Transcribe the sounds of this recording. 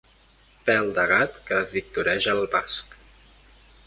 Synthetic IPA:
pɛlˠd̪əɣat̪kəβik̚t̪uɾɛʒəlˠβask

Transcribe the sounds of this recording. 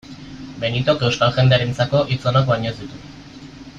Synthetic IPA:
be̞nit̪o̞ke̞wskalxe̞nd̪eaɾent͡sako̞ʔit͡sonakbaɲozd̪it̪u

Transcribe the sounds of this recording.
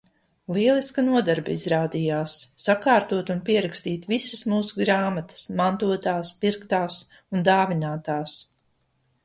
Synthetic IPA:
lˠiɛlˠiskanuɔd̪aɾbaizɾaːd̪ijaːsːakaːɾt̪uɔt̪unpiɛɾakst̪iːt̪visəsmuːsuɡɾaːmat̪ə̥smant̪uɔt̪aːspiɾkt̪aːs | und̪aːvinaːt̪aːs

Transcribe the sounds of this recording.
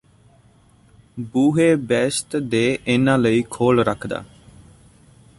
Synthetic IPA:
buːɦeːbɛːst̪d̪eːʔɪnãːləiːkʰoːlɾəkʰd̪a̰ː

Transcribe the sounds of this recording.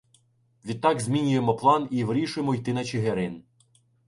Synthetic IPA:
ʋʲid̪̚t̪ːɑɡzʲmʲinʲʊjemɔplˠɑniʋɾʲiʃʊjemɔijt̪ɪnɐt͡ʃeɦeɾɪn

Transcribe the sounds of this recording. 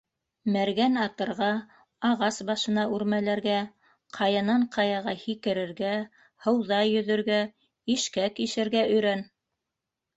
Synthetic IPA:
mæɾɡænɑt̪ɤ̆ɾʁɑ | ɑʁɑsbɑʃɤ̆nɑʉɾmælæɾɡæ | qʰɑjɤ̆nɑɴqʰɑjɑʁɑhikɘ̆ɾɘ̆ɾɡæ | hɤ̆wðɑjɵ̆ðɵ̆ɾɡæ | iʃkækiʃɘ̆ɾɡæɵ̆jɾæn

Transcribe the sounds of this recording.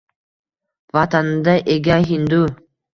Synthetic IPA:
vat̪anɯmd̪aʔeɡʲaɦind̪u

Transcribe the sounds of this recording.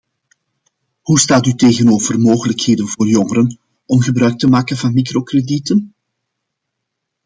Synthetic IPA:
hustaːtyteːɣənoːvərmoːɣələkheːdənvoːrjɔŋəɾən | ɔmɣəbɾœɥk̚təmaːkənvɑnmikrokreditən

